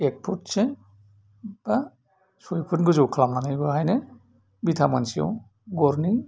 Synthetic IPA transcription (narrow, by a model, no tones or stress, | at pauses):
ek̚pʰutse | b̥a | sɔjpʰutɡɯzɔwkʰlamnanajbɔɦajne | bitʰamansijɔ̰w | ɡɔɾni